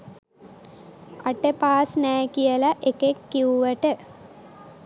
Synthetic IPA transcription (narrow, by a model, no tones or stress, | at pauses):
aʈəpaːsnɛːkijəlaʔekekːiuʋəʈə